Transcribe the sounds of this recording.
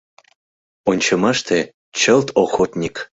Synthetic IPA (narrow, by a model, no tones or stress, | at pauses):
onʲt͡ɕɤmɑʃt̪e | t͡ɕəlt̪oxot̪nʲik